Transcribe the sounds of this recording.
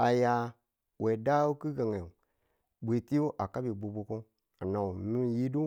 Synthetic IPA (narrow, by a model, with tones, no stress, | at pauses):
a˨ja˧ | we˨da˦wo˦ki˦ɡa˨ŋe˨ | bʷe˨ti˦o˦ʔa˨ka˦bi˨bo˨bo˧ko˦ | a˨na˨wu˨mi˦˨ji˦du˦